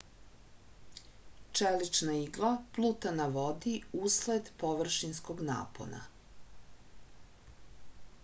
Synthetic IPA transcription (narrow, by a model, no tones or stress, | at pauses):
t͡ʃelit͡ʃnaiɡlˠaplˠuːt̪anaʋo̞d̪iusled̪po̞ʋr̩ʃinsko̞ɡna̰ːpo̞̰na̰